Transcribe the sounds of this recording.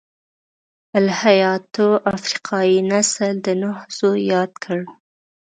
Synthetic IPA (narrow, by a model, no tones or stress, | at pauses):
alhajɑt̪oʔafɾiqʰɑjinasəld̪ənohz̥ojɑd̪̚kʰəɽ